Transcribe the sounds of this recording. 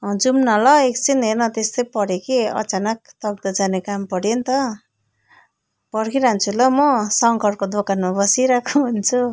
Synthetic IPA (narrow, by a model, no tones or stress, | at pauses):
d͡zumnʌlʌek̚t͡sinɦernʌt̪est̪ʌjpʌɽekiʌ̰t͡sanʌk̚t̪ʌɡ̚d̪ʌd͡zanekampʌɽjent̪ʌ | pʌɽkiɾant͡sʰulʌmʌsʌŋkʌrkod̪okanmabʌsiɾakʰuɦunt͡sʰu